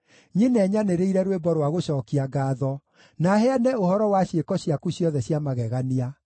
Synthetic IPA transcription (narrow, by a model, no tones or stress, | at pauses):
ɲenɛɲaneɾeiɾɛɾwebɔɾwaɣoɕɔːkiaɡaːðɔ | nahɛanɛohɔɾɔwaɕekɔɕjakuɕjɔðɛɕjamaɣɛɣania